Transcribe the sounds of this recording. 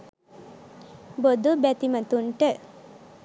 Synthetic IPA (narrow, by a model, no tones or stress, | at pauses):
bod̪ubɛt̪imɐt̪uɳʈə